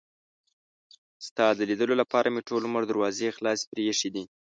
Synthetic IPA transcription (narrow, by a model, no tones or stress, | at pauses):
st̪ɑd̪əlid̪əlolapɑɾʔameʈoluməɾd̪aɾwɑzexlɑspɾeʂid̪i